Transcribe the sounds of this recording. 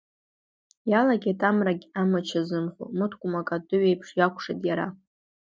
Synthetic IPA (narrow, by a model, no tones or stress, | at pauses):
jalaɡʲatʰʼamraɡʲamat͡ʃʰazɨnχʷo̰mɨtʰkʷʼʊmakʼadɨɥejpʰʂjakʷʰʼʂa̰tʼjaɾa̰